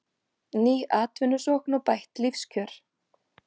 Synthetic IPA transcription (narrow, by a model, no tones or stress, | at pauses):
niːʔaːt̪vɪnʏ̥sɔknawpajht̪lifscʰœːɾ̥